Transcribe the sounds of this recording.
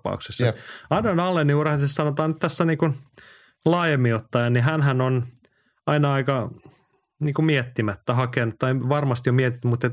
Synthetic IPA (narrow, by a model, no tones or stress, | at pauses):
pɑ̰ṵksesːɑɑnːonɑlːenːiurhɑnsessɑnot̪ɑːnyt̪t̪æsːæniːkun | lɑːjemːiot̪ːɑjɑniɦænɦænon | ɑinɑɑikɑ | niːŋkumiɛt̪ːimæt̪ːæhɑkenut̪t̪ːɑiʋɑrmɑst̪jomiet̪it̪ːymut̪ːet̪